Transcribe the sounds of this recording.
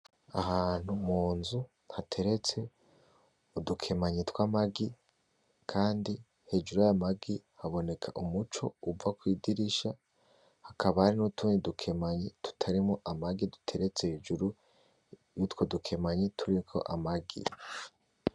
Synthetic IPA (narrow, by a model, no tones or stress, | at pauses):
ahaːn̥humuːnzu | hatʰe̞ɾe̞t͡se̞ | udukʰe̞maɲetwamaɡi | kʰaːndi | he̞d͡ʒuɾuajamaɡihaβo̞ne̞kʰaʔumut͡ʃo̞̰uvakwiːdiɾiʃa | hakaβahaɾinutuːnidukʰe̞maɲetu̥tʰaɾimoʔamaɡidu̥tʰe̞ɾet͡seheːd͡ʒuɾu | jutwo̞dukʰe̞maɲetʰuɾikʰo̞̰ʔamaɡḭ